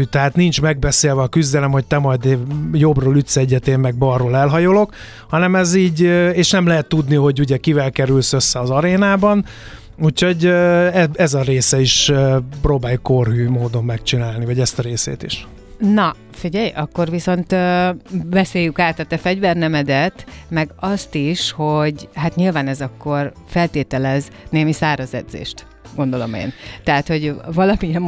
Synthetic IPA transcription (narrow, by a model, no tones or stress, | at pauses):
t̪ɛɦaːt̪nint͡ʃmɛɡ̚bɛseːlvɛɒkyzd̪ɛlɛmho̞c̚t̪ɛmɒjd̪jo̞broːlyt̪sɛɛɟːɛt̪eːmmɛɡ̚bɒrːoːlɛlɦɒjolo̞k | hɒnɛmɛziːɟeːʃnɛmlɛɦɛt̪ːud̪niho̞ɟuɟɛkivɛlkɛɾylsø̞sːɛɒzɒɾeːnaːbɒn | uːcho̞ɟøɛɛzɒɾeːsɛiʃøproːbaːjukorɦyːmoːd̪o̞mːɛkt͡ʃinaːlnivɒɟɛst̪ɒɾeːsḛːt̪iʃ | nɒ | fiɟɛjɒkːo̞rʋiso̞nt̪ː | vɛseːjykaːt̪ɒt̪ɛfɛɟvɛrnɛmɛd̪ɛt̪mɛɡɒst̪iʃho̞ɟɦat̪ɲilvaːnɛzɒkːo̞r | fɛlt̪eːt̪ɛlɛzneːmisaːɾɒzɛ̰d̪zḛːʃt̪ | ɡo̞nd̪o̞lo̞̰mḛːnt̪ɛɦat̪ho̞ɟvɒlɒmiɛm